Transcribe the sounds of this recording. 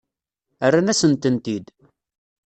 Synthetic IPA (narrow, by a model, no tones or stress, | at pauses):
ərːanæsənt̪ənt̪id̪